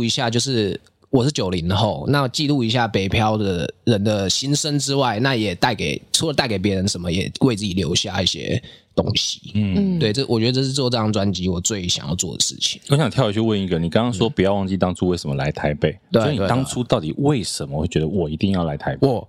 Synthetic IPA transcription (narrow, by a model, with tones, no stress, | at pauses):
i˧˥ɕja˥˧t͡ɕjo˥˧ʊʂ̬ɻ̩˥˩ | wɔ˨˩ʂɻ̩˥˩t͡ɕjo˨˩ʊli˧˥ŋd̪ə˨xo˥˨˩ʊna˥˨t͡ɕi˥˧lu˥˩i˧˥ɕ̬ja˥˩pe˨˩ɪpʰjɑ˦˥ʊd̪ə˨ɻə˧˦nd̪ə˨ɕi˦˥nʂə˦nt͡sɻ̩˥wa˥˩ɪna˥˩jɛ˨˩t̪a˥˩ɪke˨˩ɪʈ͡ʂʰu˥lə˧t̪a˥˩ɪke˨˩p̬jɛ˧˥ɻə˧˦nʂə˧˦nmə˨jɛ̰˨˩we˥˧ɪt͡sɹ̩˥˩t͡ɕi˨˩ljo̰˧˥ʊɕja˥˧i˥˩ɕjɛ̰˥t̪o̰˦˥ŋɕi̥˨˥˩t̪we˥ɪʈ͡ʂɤ˥˩wɔ̰˨˩t͡ɕɥɛ˧˥də˧ʈ͡ʂʂ̬̩˥˧˥jʈ͡ʂɤ˥˧jɑ˥˩ŋt͡swa˦˥nt͡ɕi˧˥wɔ˨˩t͡swe˥˩ɪɕjɑ̰˨˦ŋjɑ̰˥˧ʊt͡swɔ̰˥˩d̪ə̰˩ʂɻ̩̰˥˩t͡ɕʰi̥˨˩ŋɔ˧˦ɕjɑ˨ŋt̪ʰjɑ˥˩ʊi˧˥ɥɛ˥˧wə˥˧ni˥˩ɡə˨ni˨˩kɑ˥ŋkɑ˥ŋswɔ˥pu˨˩jɑ˥˧ʊwɑ˥˧ŋ˧t͡ɕi˥˧t̪ɑ˥ŋʈ͡ʂʰu˥˦we˥˩ɪʂə˧˦mə̰˦la̰˧˦ɪt̪ʰa˧˥ɪpe˥˩ɪt̪weɔ˥˦˥ɪ˨nwe˨˧ɑ˥ŋʈ͡ʂʰu˥t̪ɑ˥˨˩ʊt̪i˨˩we˥˨˩ɪʂə˧˦nmə˧xwe˥˩ɪt͡ɕɥɛ˧˦d̪ə˧wɔ˨˩i˧˥t̪i˥˧ŋjɑ˥˩ʊla˧˥ɪt̪ʰa˧˥ɪp